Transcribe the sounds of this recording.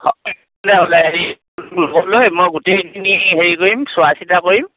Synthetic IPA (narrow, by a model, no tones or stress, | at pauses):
ɔ | nɛɔlajeɹi | lɡɔlomojɡuteniniɦeɹikoɹimsʊasitakoɹim